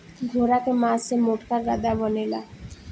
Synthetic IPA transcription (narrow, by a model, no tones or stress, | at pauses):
ɡʱoɾakemasemoʈkaɾːad̪abɔnela̰